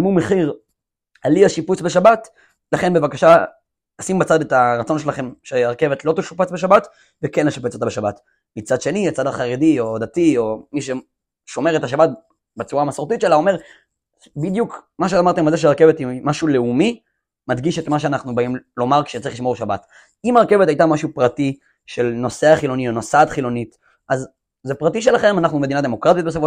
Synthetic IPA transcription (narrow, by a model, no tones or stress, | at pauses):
mumeχiʁ | aliaʃiput͡sbeʃabat | laχe̞nbe̞vakaʃa | asimbat͡sadetaʁat͡so̞nʃelaχe̞mʃeaʁke̞vetlo̞t̪eʃupet͡sbeʃabat | vekenleʃapet͡sot̪abeʃabat | mit͡sadʃe̞niat͡sadaχaʁedio̞d̪atio̞miʃe | ʃo̞me̞ʁetaʃabat̚ | bet͡suʁamasoʁtit̪t͡ʃʃelao̞me̞ʁ | bid̪jukmaʃ̬eamaʁt̪emalzeʃeaʁkevetimaʃuleumi | mad̪ɡiʃetmaʃ̬eanaχnubaimlo̞maʁkʃe̥t͡saʁiχliʃmo̞ʁʃabat | imaʁke̞vet̪ajt̪amaʃupʁati | ʃelno̞seaχilo̞nionosat̪χilo̞nit | ʔaz | zepʁatiʃelaχe̞manaχnume̞d̪inad̪e̞mo̞kʁat̪it̚bes̬afo